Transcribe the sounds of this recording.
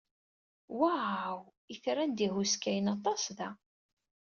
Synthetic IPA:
waw | iθɾænd̪ihuskæjənɑt̪ˤɑsðæ

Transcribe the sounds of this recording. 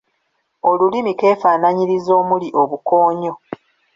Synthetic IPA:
o̞lulimike̞ːfaːnaɲiɾizo̞ːmuliʔo̞βuko̞ːɲo̞

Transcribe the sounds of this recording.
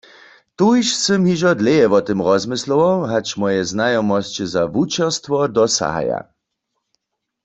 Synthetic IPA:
t̪ujʃsəmɦiʒɔd̪lɛjɛʋɔt̪ɨmʁɔzmɪslɔwawɦat͡ʃmɔjɛznajɔmɔst͡ɕɛzavut͡ʃɛʁst̪ʋɔd̪ɔsa̰ɦa̰ja̰

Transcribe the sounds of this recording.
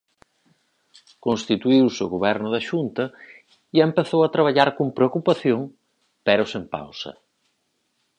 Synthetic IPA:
kõnst̪it̪uiwsʊɣoβɛɾnʊðɐʃunt̪ɐ | iempeθowɐt̪ɾaβ̞aʎaɾkompɾeokupaθjoŋ | pɛɾʊsempa̰wsɐ̰

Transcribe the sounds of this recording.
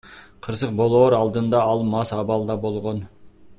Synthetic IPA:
qʰəɾsəq̚bo̞lˠoːɾɑlˠd̪ɯnd̪ɑɑlˠmɑsɑβɑlˠd̪ɑbo̞lˠʁo̞n

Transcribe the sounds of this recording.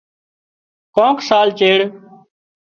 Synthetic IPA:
kõːksaːlt͡ʃeːɽ

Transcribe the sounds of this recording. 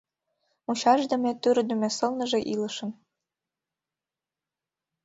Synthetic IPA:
muɕɑʒd̪ə̆mʲet̪yɾd̪ə̆mʲesɤ̆lnə̆ʒĕʔilə̆ʃə̆n

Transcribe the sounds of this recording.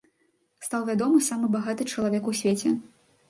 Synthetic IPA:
st̪awvʲad̪ɔmɨsamɨbaɣat̪ɨt͡ʂɐlˠavʲɛkusʲvʲet͡sʲɛ

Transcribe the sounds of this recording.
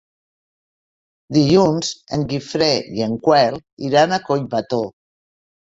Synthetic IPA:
d̪iʎunzəŋɡifɾeieŋkwɛliɾanakojβat̪o

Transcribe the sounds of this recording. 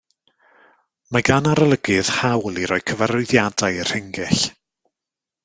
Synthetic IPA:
maɡanaɾəlˠəɡɪð̥hawlˠiɾɔɨkʰəvaɾʊɨðjadajər̥hɪŋɡɪɬ

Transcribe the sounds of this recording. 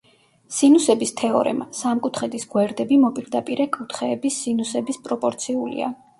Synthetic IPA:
sinusɛbist̪ʰɛɔ̰ɾɛ̰masamkʼut̪ʰχɛd̪isɡwɛɾd̪ɛbimɔpʼiɾd̪apʼiɾɛkʼut̪ʰχɛːbisːinusɛbispʼɾɔpʼɔɾt̪sʰiulḭa̰

